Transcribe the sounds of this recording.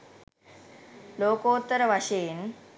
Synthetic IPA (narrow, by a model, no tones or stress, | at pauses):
loːkoːt̪ːəɾəʋaɕeːn